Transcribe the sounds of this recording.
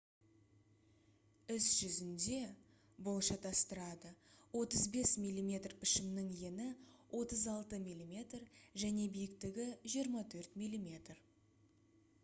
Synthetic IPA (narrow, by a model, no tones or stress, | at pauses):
ɪsʒ̥ʏzɪnd̪e̞ | bo̞lˠʃɑt̪ʰɑst̪əɾɑd̪əwo̞t̪əzbe̞smʲijlʲˠːimʲe̞t̪rpʰɪʃɪmnɪŋje̞nɪwʔo̞t̪əzɑlˠt̪əmilʲˠimʲe̞t̪rʒæne̞bijɪkt̪ɪɡʲɪʒijəɾmɑt̪ʰɵɾt̪mijlʲimʲe̞t̪r